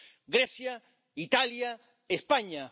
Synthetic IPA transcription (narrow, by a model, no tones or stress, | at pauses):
ɡɾɛsja | it̪alja | espaɲa